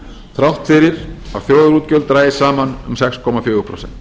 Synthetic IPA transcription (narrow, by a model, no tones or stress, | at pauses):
θɾawht̪fɪɾɪɾa̰ðfjoːwðɾuːt̪cœlt̪ɾaːjɪsaːmanʏmsɛkskʰɔːmafjʏːɣʏpʰɾɔwsɛn̥t̪